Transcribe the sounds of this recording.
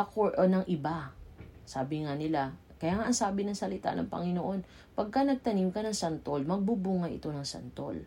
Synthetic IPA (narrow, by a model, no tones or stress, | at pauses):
ʔɐkoɹonɐŋʔɪbasaːbɪŋanɪla | kɐjaːŋaʔɐŋsaːbɪnɐŋsɐlɪt̪a̰nɐ̰ŋpɐ̰ŋɪnoʔo̞n | pɐɡ̚kɐnɐɡ̚t̪ɐnimkɐnɐŋsɐnt̪olmɐɡ̚bubuːŋɐʔɪ̰t̪o̞nɐŋsɐ̰nt̪o̰l